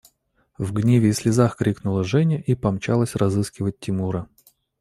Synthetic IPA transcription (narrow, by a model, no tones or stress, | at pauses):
vɡnʲevʲɪːslʲɪzaxkɾʲiknʊlˠəʐɛnʲɪʔipɐmt͡ɕa̰lˠəsʲrɐzɨskʲɪvət̚ʲtʲːɪmuɾə